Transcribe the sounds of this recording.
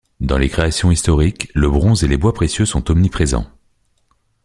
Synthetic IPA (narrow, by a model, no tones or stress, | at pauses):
d̪ɑ̃lekχeasjɔ̃ist̪ɔʁikləbʁɔ̃zelebwapχesjøsɔ̃t̪ɔmnipχezɑ̰̃